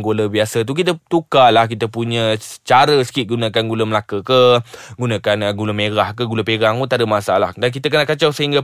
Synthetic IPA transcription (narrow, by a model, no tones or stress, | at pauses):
ŋɡoləbiasət̪̬uk̬it̪ət̪ukalahk̬it̪əpuɲə̃ət͡ʃaɾəsə̥kɪt̪̚ɡunãkanɡuləməlakəkəɡunãkanəɡuləmeɾahkəɡuləpeɾaŋut̪adəmasala̰hdank̬it̪ək̬ənaʔkat͡ʃawsəɦiŋɡa